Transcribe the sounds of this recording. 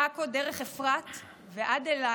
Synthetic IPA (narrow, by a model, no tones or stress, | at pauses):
akodeʁeχefʁat̪ | veʔad̪ela